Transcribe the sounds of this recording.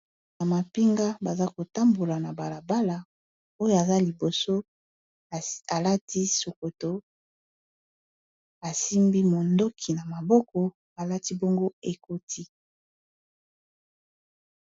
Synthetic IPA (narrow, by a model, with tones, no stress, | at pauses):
na˨ma˨pi˦ŋɡa˦ba˨za˦ko˨ta˦mbo˨la˨na˨ba˨la˨ba˦la˨ | o˦jo˨a˨za˦li˨bo˨so˦ | a˨la˦ti˦so˨ko˨to˦ | a˨si˦mbi˦mo˨ndo˦kʰi˨na˨ma˨bɔ˦kɔ˦ | a˨la˦ti˦bɔ˦ŋɡo˦e˨ko˦tʰi˦